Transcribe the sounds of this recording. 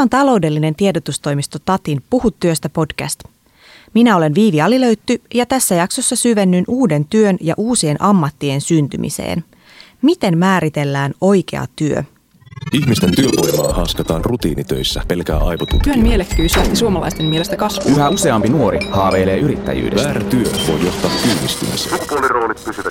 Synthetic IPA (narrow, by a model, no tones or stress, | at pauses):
ont̪ɑlo̞wde̞lːine̞nt̪iedot̪ust̪o̞jmist̪ot̪ɑt̪inpuhut̪ːyøst̪æpo̞d̥kæ̰st̪ | minæo̞le̞nʋiːʋiɑlilø̞ɥt̪ːyjɑt̪æsːæjɑkso̞sːɑsyʋe̞nːynʔuːde̞nt̪yønjɑ̰ʔuːsie̞nʔɑmːɑt̪ːie̞nsynt̪y̰mʔḭse̞̰ːn | mit̪e̞nmæːɾit̪e̞lːæːno̞jk̟e̞̰ɑ̰t̪yø̰ | içmist̪e̞nt̪yøʋo̞jmɑ̰ːhɑskɑt̪ɑːnrut̪ḭːnit̪ø̞̰jsːæ̰pe̞lkæ̰ːʔɑ̰jʋot̪ṵt̪ønmielekkːyːsyæst̪isuomɑlɑ̰jst̪e̞mielest̪ækɑsʋuyɦæuse̞ɑmpinuo̞ɾihɑːʋe̞ːle̞ːʔyɾit̪ːæ̰jy̰ːdeʋæːɾæt̪yøʋo̞̰jːo̞ht̪ɑːkkyːnist̪y̰misḛupuoliro̞ːlit̪̚pysyʋæ